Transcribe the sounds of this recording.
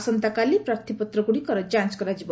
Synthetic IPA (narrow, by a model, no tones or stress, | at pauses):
sɔnt̪akalipɾaɾt̪ʰipɔt̪ɾɔɡuɽikɔɾɔd͡ʒãnt͡ʃkɔɾad͡ʒibɔ